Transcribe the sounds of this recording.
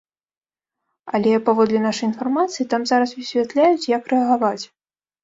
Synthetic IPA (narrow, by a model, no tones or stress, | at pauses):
ɐlʲɛpavɔd̪lʲɛnaʂɐjin̪farmat̪sɨjit̪amzaɾɐsvʲisʲvʲat̪lʲajut͡sʲjɐkrɛɐɣavat͡sʲ